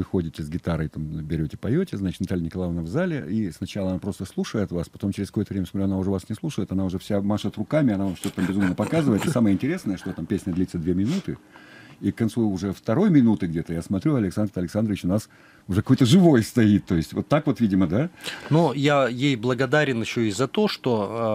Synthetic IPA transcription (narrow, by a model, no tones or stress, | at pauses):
vɨxo̞dʲɪtʲɪzɡʲɪt̪aɾɨɪt̪ambʲɪɾʲotʲɪ̥pɐjotʲɪznat͡ɕɪ̥t̪nɐt̪alʲɪnʲɪkɐlˠavnəvzalʲɪisnɐt͡ɕalˠəɐnapɾo̞st̪əslˠuʂəjɪt̪vaspɐt̪o̞mt͡ɕɪɾʲɪskoət̪əvɾʲeməsmɐt̪ɾʲuɐnaʊʐɛvasnʲɪslˠuʂəjɪt̪ɐnaʊʐɛfsʲamaʂət̪rʊkamʲɪɐnavamʂt̪o̞t̪ət̪ambʲɪzumnəpɐkazɨvəjɪt̪ɨsaməjəɪnʲtʲɪɾʲe̞snəjəʂt̪ot̪ampʲesʲnʲəd̪lʲit̪səd̪vʲe̞mʲɪnut̪ɨikkːɐnt̪suʊʐɛft̪ɐɾo̞jmʲɪnut̪ɨɡdʲet̪əjasmɐt̪ɾʲuɐlʲɪksand̪rɐlʲɪksand̪ɾəvʲɪt͡ɕʊnas | ʊʐɛkɐko̞jt̪əʐɨvo̞jst̪ɐit̪ːo̞ɪsʲtʲvo̞t̪ːakvo̞t̪vʲidʲɪməd̪anujajejblˠəɡɐd̪aɾʲɪnɪɕːoizɐt̪o̞ʂt̪o